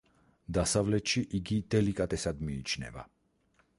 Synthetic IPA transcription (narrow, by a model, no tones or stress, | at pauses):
d̪asavlɛt͡ʃiʔiɡit̪ɛlikat̪ɛsad̪miːt͡ʃnɛ̰va̰